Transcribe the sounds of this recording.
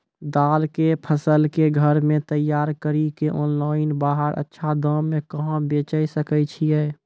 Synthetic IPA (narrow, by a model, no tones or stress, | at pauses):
d̪aːlkepʰəsəlkeɡʱəɾmẽt̪əjːaːɾkəɾikeʔɔ̃ːnlaːɪnbaːɦəɾʔə̰tːʃʰad̪ə̃ːẽkəɦãbeːt͡ʃəjsəkət͡ʃʰiɛː